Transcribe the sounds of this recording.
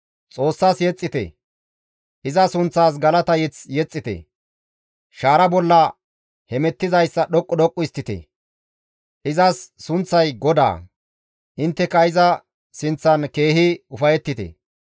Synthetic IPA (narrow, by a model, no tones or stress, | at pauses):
t͡sʼo̞ːsːaːsjɛt͡sʼːɪt̪ɛ̰ | ʔɪzɐsʊnt͡sːaːs̬ɡɐlɐt̪ɐjɛt͡sjɛt͡sʼːɪt̪ɛ̰ | ʃaːɾɐbɔlːɐ | hɛmɛt̪ːɪzɐjsːɐɗɔkʼːɔd̪ɔkʼːʊɪst̪ːɪt̪ɛ̰ | ʔɪzɐsːʊnt͡sːɐjɡɔd̪a̰ː | ʔɪnt̪ːɛkɐɪzɐ | sɪnt͡sːɐnke̞ːɦɪʊfɐjɛt̪ːɪt̪ɛ̰